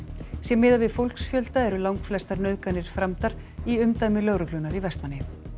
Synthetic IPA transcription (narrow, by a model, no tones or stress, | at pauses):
sjɛmːɪːðavɪðfowlksfjœlt̪aɛɾʏlawŋkflɛst̪aɾnœɥðkanɪɾ̥fɾamt̪aɾ̥ | iʏmt̪aːjmɪlœwɾʏklʏnaɾivɛst̪manːɪ